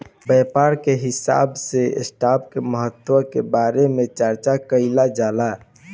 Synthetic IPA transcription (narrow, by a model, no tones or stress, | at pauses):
bɛːpaːɾkeɦɪsa̰ːbsḛsʈaːbkeməɦət̪ːwəkebaːɾemẽt͡ʃəɾt͡ʃakəɪlad͡ʒaːla